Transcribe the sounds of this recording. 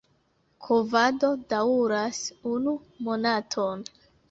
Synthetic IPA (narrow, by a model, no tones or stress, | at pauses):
kʰovado̞dauɾasunu | mo̞natʰo̞n